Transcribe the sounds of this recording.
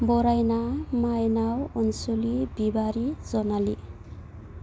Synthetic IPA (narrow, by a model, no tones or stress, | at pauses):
bɔɾajnamajnawunsulibibaɾid͡zʌnali